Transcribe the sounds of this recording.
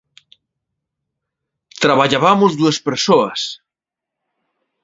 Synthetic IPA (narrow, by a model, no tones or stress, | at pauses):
t̪ɾaβaʎaβamozðuespeɾsoɐs